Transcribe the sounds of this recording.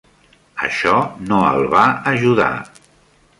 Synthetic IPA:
ə̰ʃɔnoə̰lˠβaəʒuða̰

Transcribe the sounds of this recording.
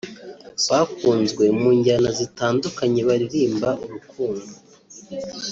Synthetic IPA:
βakuːnzɡwe̞muːɲɟanazitaːndukaɲe̞βaɾiɾiːmbaʔuɾukuːndu

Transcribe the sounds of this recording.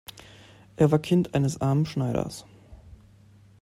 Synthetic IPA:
ʔeːɐvaːɐkʰɪntʔaɪnəsʔaɐmənʃnaɪɾɐ̰s

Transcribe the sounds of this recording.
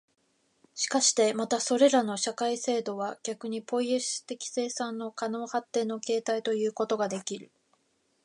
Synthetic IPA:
ɕi̥kaɕi̥t̪e̞mat̪aso̞ɾe̞ɾano̞ɕakaise̞ːd̪o̞βaɡ̥ʲakɯ̟ɲ̟ipo̞iesɨ̥t̪e̞kʲi̥se̞ːsãnːo̞kano̞ːhat̪ːe̞ːno̞ke̞ːt̪ait̪o̞jɯ̟ːko̞t̪o̞ɡad̪e̞kʲiɾɯ̟

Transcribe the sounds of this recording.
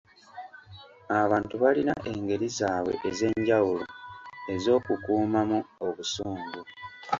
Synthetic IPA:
aβaːntuβalina̰ʔe̞ŋɡe̞ɾizaːβwe̞̰ʔeze̞ɲɟawulo̰e̞zo̞ːkukuːmamuoβusuːmbu

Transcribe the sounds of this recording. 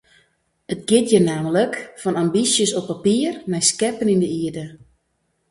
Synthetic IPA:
ətɡɪtjənaːmələkfɔnambisjəsɔpːapiərmɛjskɛpənindəiədə

